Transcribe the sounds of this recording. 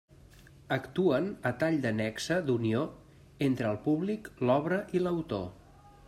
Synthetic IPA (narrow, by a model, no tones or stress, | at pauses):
əkt̪uənət̪aʎd̪ənɛksəd̪unio | ent̪ɾəːlˠpuβliklɔβɾəʔiləwt̪o̰